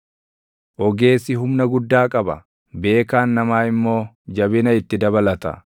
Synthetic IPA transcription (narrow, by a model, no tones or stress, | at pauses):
ʔɔɡe̞ːsːɪɦʊmnɐɡʊd̪ːaːkʼɐbɐ̰ | be̞ːkaːnːɐmaːɪmːo̞ː | d͡ʒɐbɪnɐɪt̪ːɪd̪ɐbɐlɐt̪ɐ̰